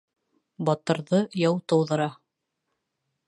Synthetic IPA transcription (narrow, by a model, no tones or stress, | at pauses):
bɑt̪ɤ̆ɾðɤjɑwt̪ɤ̆wðɤ̆ɾɑ